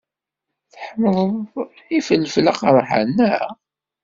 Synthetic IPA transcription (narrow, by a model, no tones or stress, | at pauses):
θħəməðˤəð | ifəlflaqɾˤħa̰nːæ